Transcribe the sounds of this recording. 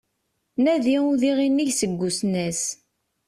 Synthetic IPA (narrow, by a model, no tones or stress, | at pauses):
næðiuðiʁinːiʝsəɡʷːusnæs